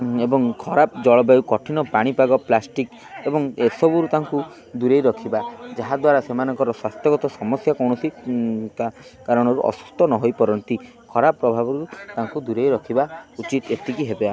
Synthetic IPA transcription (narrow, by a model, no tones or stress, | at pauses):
ebɔŋkʰɔɾapd͡ʒɔɭɔbajukɔʈʰinɔpaɽ̃ipaɡɔplasʈik | ebɔŋesɔbuɾut̪aŋku | d̪uɾejɾɔkʰibad͡ʒaɦad̪waɾasemanɔŋkɔɾɔswast̪jɔɡɔt̪ɔsɔmɔsjakɔwɽ̃ɔsikakaɾɔɽ̃ɔɾuʔɔ̰su̥st̪ʰɔnɔɦojpɔɾɔnt̪i | kʰɔɾabɔpːɾɔbʱabɔɾut̪aŋkud̪uɾejɾɔkʰibaut͡ʃit̪et̪ikiɦebea